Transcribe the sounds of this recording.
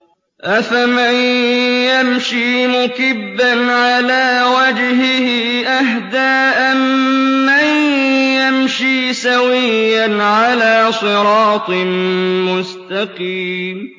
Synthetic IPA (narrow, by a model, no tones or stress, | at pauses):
ʔafamanjamʃiːmʊkɪbːanʕalaːwad͡ʒhɪhɪʔaɦd̪aːʔammːanjamʃiːsawɪjjːanʕalaːsˤɨɾɑːt̪ˤmʊst̪ɑqiːm